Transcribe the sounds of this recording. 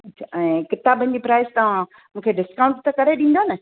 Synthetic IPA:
ɐt͡ɕʰaɛ̃ːkɪt̪aːbənɪ̆d͡ʑipɾaːɪzt̪ɐʋ̤ã | mũːkʰeɖɪskaːʊ̃ɳʈt̪ɐkɐɾeɗĩn̆d̪onɐ

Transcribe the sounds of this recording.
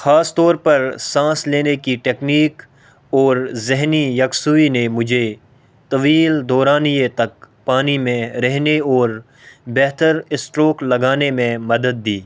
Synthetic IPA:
xaːst̪ɔːɾpɐɾsãːsleːnekiʈeːkniːk | ɔːɾzɪɦnijɐksuinemʊd͡ʒʱe | t̪ɐʋiːld̪ɔːɾaːnijet̪ɐk̚ | paːnimẽɾɛɦneɔːɾ | bɛɦt̪əɾɪsʈɾoːklɐɡaːnemẽmɐd̪əd̪̚ːiː

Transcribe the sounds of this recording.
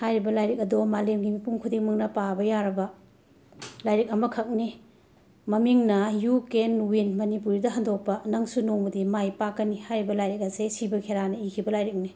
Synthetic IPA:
hajɾibɐlajɾik̚ɐdomalemɡimipuŋkʰudiŋmɐŋnɐpabɐjaɾɐbɐ | lajɾik̚ɐmɐkʰɐk̚ni | mɐmiŋnɐjukenuwinmɐnipuɾidɐɦɐndok̚pɐnɐŋsunoŋmɐdimajpakːɐnihajɾibɐlajɾik̚ɐsesibɐkʰeɾanɐikʰibɐlajɾik̚ni

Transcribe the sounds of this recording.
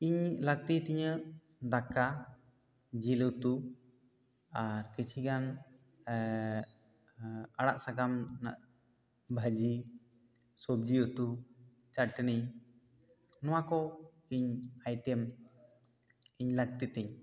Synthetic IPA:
iɲlək̚t̪it̪ɛɲə | d̪aka | d͡ʒilət̪u | aɾkit͡ʃʰiɡan | aɽaʔsaɡamna̰ʔ | bʱad͡ʒi | sob̚d͡ʒiət̪u | t͡ʃaʈni | nɔwakɔ | iɲajʈɛm | iɲlək̚t̪it̪ɛɲ

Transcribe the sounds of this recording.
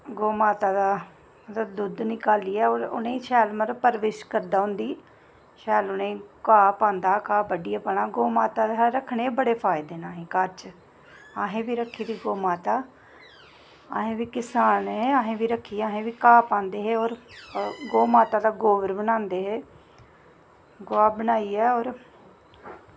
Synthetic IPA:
ɡoːmaːt̪aːd̪aː | ət̪ːd̪ʊd̪nɪkaːliːɛːoːɾʊ̰nẽːiːʃɛːlməɾpəɾʋɪːʃkəɾd̪aːʊ̃nd̪iː | ʃʰɛːlʊnẽːkaːpãːnd̪aːkaːbəɖijaːpəɳaːɡoːmaːt̪aːd̪eɦɾəkʰɳeːbəɽeːpʰaːɪd̪eːnaːɦẽːkəɾt͡ʃ | aːɦẽːʋiːɾəkʰːiːd̪iːɡoːmaːt̪aː | aːɦẽːʋiːkɪsaːnɦeːaːɦẽːʋiːɾəkʰːiːaːɦẽːʋiːkaːpãːnd̪eːɦeːɔːɾ | ɡoːmaːt̪aːd̪aːɡoːʋəɾbənãːnd̪eːɦeː | ɡʊaːbənaːiːɛːɔːɾ

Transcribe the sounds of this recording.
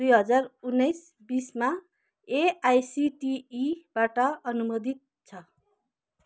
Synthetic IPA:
d̪ujɦʌd͡zarunːʌjs | bisma | eajsiʈiːbaʈʌʌnumod̪it̪̚ | t͡sʰʌ

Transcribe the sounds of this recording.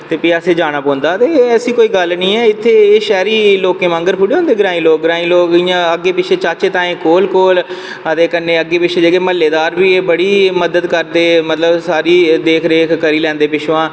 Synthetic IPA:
t̪eːpiːəseːd͡ʒaːɽ̃aːpɔ̃ːnd̪aːt̪eːəsĩːkoːiːɡəlnĩːɛːɪt̪ʰːeːʃɛːɾiːloːkẽːmãŋɡəɾpʰʊɖeːõːnd̪eːɡɪɾãːĩːloːk̚ɡɾaːĩːloːkɪːjãːəɡːeːpɪt͡ʃʰeːt͡ʃaːt͡ʃeːt̪ãːẽːkoːlkoːl | ət̪eːkənːẽːəɡːeːpɪʃʰeːd͡ʒəɡeːməlːeːd̪aːɾʋiːeːbəɽiːməd̪əd̪kəɾd̪eːmət̪ləbsaːɾiːd̪eːkʰɾeːkʰkəɾiːlɛ̃ːnd̪eːpɪʃʰʋãː

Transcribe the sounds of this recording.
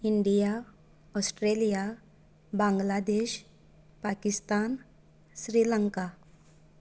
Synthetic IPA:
iɳɖija | ɔsʈɾelija | bãŋɡlad̪eɕ | pakist̪an | ɕɾiləŋka

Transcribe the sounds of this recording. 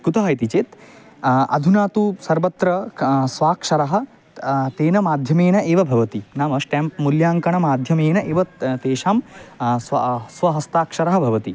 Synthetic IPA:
kut̪ɐɦɐjt̪it͡ʃeːt̪ | ɐ̰d̪ʱunaːt̪usɐɾʋɐt̪ɾɐsʋaːkʂɐɾɐɦɐ̆ | t̪eːnɐmaːd̪ʱjɐmeːnɐʔeːʋɐbʱɐʋɐt̪inaːmɐsʈemp̚muljaːŋkɐɳɐmaːd̪ʱjɐmeːnɐʔeːʋɐt̪eːʃaːmsɐsʋɐɦɐst̪aːkʂɐɾɐɦɐbʱɐʋɐt̪i

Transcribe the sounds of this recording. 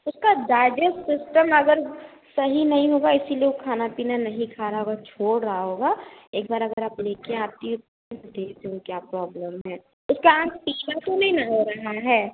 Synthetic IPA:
ʊskad͡ʒaːɪd͡ʒəksɪsʈəmɐɡəɾsɐɦinɐɦĩɦoːɡaɪsilieokʰaːnapiːnanɐɦĩkʰaːɾaɦoɡat͡ʃʰoːɽɾɐɦaɦoːɡaeːk̚baːɾɐɡəɾaːpleːkẽaːp̚t̪iʊt | ed̪eːd̪ũkjaːpɾɔːbləmɦɛː | ʊskaãːtpiːnat̪onɐɦĩnɐɦoɾɐɦaɦɛː

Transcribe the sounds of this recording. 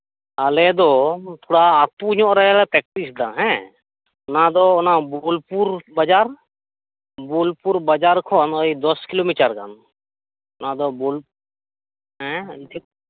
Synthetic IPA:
alɛd̪ɔt̪ʰoɽaːpuɲɔ̃ʔɾɛlɛpɾɛk̚ʈisd̪a̰ɦɛ̃ | nãd̪ɔnabolpuɾbad͡ʒaɾ | bolpuɾbad͡ʒaɾkʰɔnɔid̪ɔskilomiʈəɾka̰n | nad̪ɔbol | ɦɛ̃t̪ʰi

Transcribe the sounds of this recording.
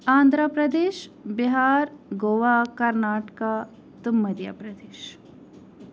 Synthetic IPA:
aːnd̪ʱɾapɾɐd̪eːʃbiɦaːɾɡoːʋaːkɐɾnaːʈkaː | t̪umːɐd̪ja̰pɾɐd̪eːʃ

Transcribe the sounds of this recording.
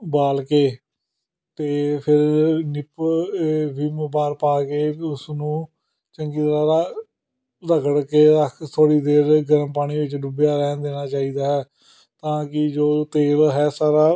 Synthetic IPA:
baːlkeː | t̪eːpʰɪɾnɪp | ʋiːmbaːɾpaːkeːʊsnũː | t͡ʃəŋɡiːt̪ɾaːɾaː | ləɡəɽkeːəkʰt̪ʰoːɽiːd̪eːɾɡəɾəmpaːɽ̃iːʋɪt͡ʃɖʊbjaːɾɛ̃ːnd̪eːnaːt͡ʃaːiːd̪aːɦɛː | t̪ãːkɪd͡ʒoːt̪eːlɦɛːsaːɾaː

